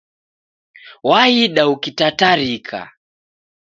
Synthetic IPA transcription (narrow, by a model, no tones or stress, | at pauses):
waiɗaukitataɾikʰa̰